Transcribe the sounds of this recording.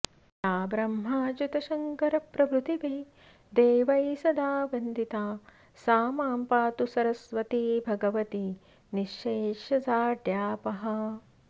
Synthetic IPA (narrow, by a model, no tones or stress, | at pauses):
jaːbɾɐmɦaːd͡ʒut̪ɐʃɐŋkɐɾɐpɾɐbɾut̪iʋeː | d̪eːʋɐjsɐd̪aːʋɐnd̪it̪aː | saːmaːmpaːt̪usɐɾɐsʋɐt̪ibʱɐɡɐʋɐt̪i | niʃeːʃɐzaːɖjaːpɐɦɐ̆